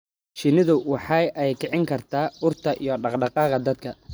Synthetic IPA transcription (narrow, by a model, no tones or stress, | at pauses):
ʃɪnɪðʊwɑħɑjʔɛjkʰɛʕɪŋkʰɐrt̪ʰaːʊrt̪ʰɐʔḭjɔɖɑqɖɑqɑːqɑd̪ɐd̪̚kʰɐ